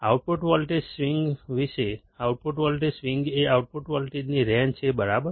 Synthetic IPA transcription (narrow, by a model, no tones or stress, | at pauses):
auʈ̚puʈʋɔlʈesʋiŋɡʋiʃe | auʈ̚puʈʋɔlʈesʋiŋɡeawʈ̚puʈʋɔlʈid͡ʒniɾɛnt͡ʃʰebəɾabə